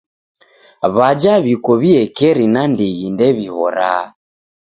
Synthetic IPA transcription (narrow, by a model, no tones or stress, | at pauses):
βad͡ʒaβikɔβiɛkɛɾinandiɣindɛβihɔ̰ɾa̰